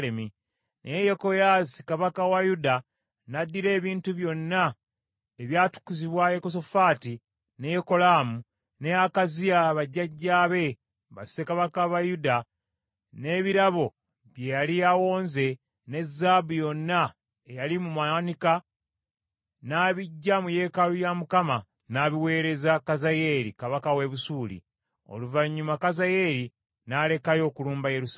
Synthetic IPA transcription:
lemi | nʔejeko̞jaːsi̥kaβakawajuda | nadːiɾe̞ːβiːntuβjo̞nːa | eβjaːtu̥kːuziβwajekos̬ofaːti | nejeko̞laːmu | neakaziaβaɟːaɟːaːβe̞ | βa̰ssekaβakaβajuda | ne̞ːβiɾaβo̞ | βje̞jaliawo̞ːnze̞ | ne̞zːaːbujo̞nːa | ejalimumanika | naːβiɟːamuje̞ːkalujamukama | naːβiwe̞ːɾe̞zakazaje̞ːɾikaβakawe̞βusuːlḭ | o̰luvaɲːumakazaje̞ɾi | nale̞kajo̞ːkuluːmbajeɾus

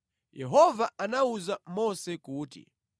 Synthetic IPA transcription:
jɛɦɔvaanauzamɔsɛkuːtḭ

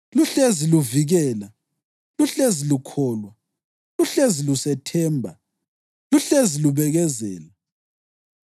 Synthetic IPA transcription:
luɬeziluviɣɛːla | luɬezilukʰɔːlwa | luɬezilusɛtʰɛːmbʱa̰ | luɬeziluβɛɣɛzɛ̰ːla

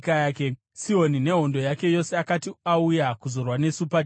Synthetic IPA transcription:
kajaːke | siɦo̞nine̞ɦo̞ndo̞jake̞jo̞se̞akatiaujakuzo̞rwane̞supa

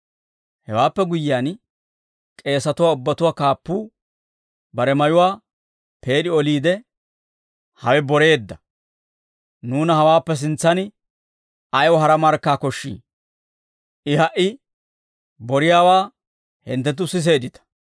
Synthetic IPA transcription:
hɛ̰waːpːɛɡʊjɪjaːn | kʼe̞ːsɐt̪ʊwaːʊbːɐt̪ʊwaːkaːpːuː | bɐɾɛmɐjʊwaː | pe̞ːɗɪɔliːd̪ɛ | hɐwɛbɔɾe̞ːd̪ːɐ | nuːnɐhɐwaːpːɛs̬ɪnt͡sːɐnɪ | ɐjwɔɦɐɾɐmɐɾkːaːkɔʃːḭː | ʔɪɦɐʔɪ | bɔɾɪjaːwaː | hɪ̰nt̪ːɛt̪̬ːʊsɪs̬e̞ːd̪ɪt̪ɐ̥

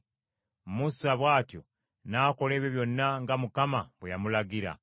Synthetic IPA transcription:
musaβwaːtjo̞̰ | nako̞le̞ːβjoβjo̞nːaŋɡamukamaβwejamulaɡiɾa̰

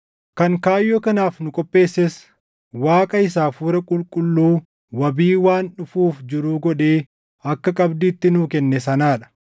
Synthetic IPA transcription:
kɐŋkaːjːokɐnaːfnʊkʼɔpʼːe̞ːsːɛs | waːkʼɐɪsaːfuːɾɐkʼʊlkʼʊlːuː | wɐbiːwaːnᶑʊfuːfd͡ʒɪɾʊːɡɔᶑeː | ɐkːɐkʼɐbd̪iːt̪ːɪnʊkɛnːɛsɐnaːᶑɐ̥

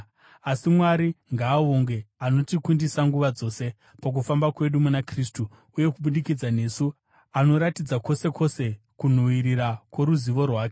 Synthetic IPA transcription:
asimwaɾiŋɡaːoŋɡe̞ano̞tikundisaŋɡuʋad͡zo̞ːse̞ | pak̬ufambakwe̞ɗumunakristu | uje̞kuɓuɗikid͡zane̞ːsu | ano̞ɾatid͡zako̞se̞ko̞se̞ | kun̤uwiɾiɾakwe̞ɾuziʋo̞rwaːke

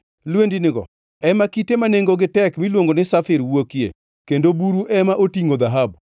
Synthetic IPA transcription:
lwendinɪɡɔ̰ | ɛmakitemaneŋɡoɡɪtɛkmilwoŋɡonɪsafɪɾwokjḛ | kendobuɾuʔɛmaʔotiŋod̪aɦab̚

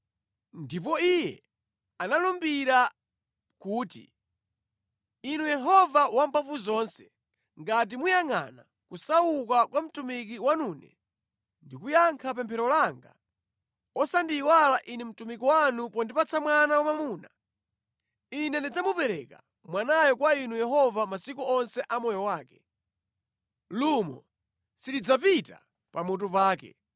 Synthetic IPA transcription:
ndip̬ɔijɛ | analumbiɾa | kuːtḭ | inujɛɦɔvawampaɱfuzɔnsɛ̥ | ŋɡat̬imujaŋa̰na | kusaukakwam̩tumik̬iwanuːnɛ̰ | ndikujaŋkʰap̬ɛmpʰɛɾɔlaŋɡa̰ | ɔsandiwalaʔinɛm̩tumik̬iwanupɔndipat͡sʰamwanawamamuːna | inɛndid͡zamupɛɾɛka | mwanajɔkwainujɛhɔvamasikuɔnsɛʔamɔjɔwaːkɛ̥ | lumɔ̰ | silid͡zapita̰ | pamut̬upaːkɛ̰

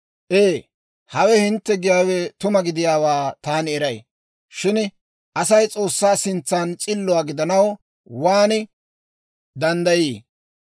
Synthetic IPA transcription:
ʔeː | hɐwɛhɪnt̪ːɛɡɪjaːwɛt̪ʊmɐɡɪd̪ɪjaːwaːt̪aːnɛɾɐj | ʃɪn | ʔɐsɐjt͡sʼo̞ːsːaːsɪnt͡sːaːnt͡ʃʼɪlːʊaːɡɪd̪ɐnɐw | waːnɪ | d̪ɐnd̪ɐjiː

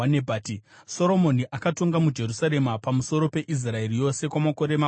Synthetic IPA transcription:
anebʱaːtiso̞ɾo̞mo̞niʔakato̞ŋɡamud͡ʒe̞rusaɾe̞mapamuso̞ɾo̞pe̞ʔis̬rae̞rijo̞se̞kwamako̞ɾe̞ma

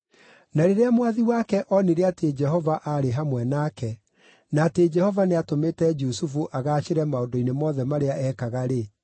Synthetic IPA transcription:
naɾeɾeamwaðiwaːkɛʔɔneɾeated͡ʒɛɦɔvaʔaɾeɦamwɛnaːkɛ | naːted͡ʒɛhɔvaneatometɛd͡ʒusufuʔaɣaːʃeɾɛmaodoinemɔðɛmaɾeaʔɛkaɣaɾe

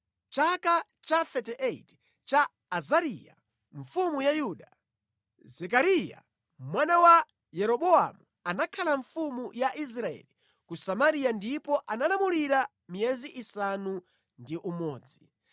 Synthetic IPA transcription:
t͡ʃakat͡ʃaθɛtɛʔɛit | t͡ʃaː | zaɾija̰ | ɱfumujajuːɗa | zɛk̬aɾija̰ | mwanawa | jɛɾɔɓɔa̰mu | anakʰalaɱfumujaʔis̬ɾaɛ̰li | kusamaɾijandipɔʔanalamuliɾa | mijɛziʔisanu | ndiʔumɔːd͡zi

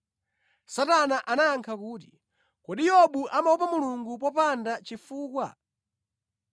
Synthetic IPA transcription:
satanaʔanajaŋkʰakuːt̬i̥ | kɔɗijɔɓuʔamaupamuluŋɡupɔpandat͡ʃifuːkwa̰

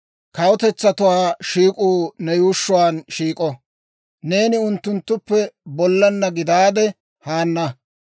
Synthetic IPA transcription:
kɐwɔt̪ɛt͡sːɐt̪ʊwaːʃiːkʼuːnɛjuːʃːʊwaːnʃiːkʼɔ | ne̞ːnɪʊnt̪ːʊnt̪ːʊpːɛbɔlːɐnːɐɡɪd̪aːd̪ɛ | haːnːɐ

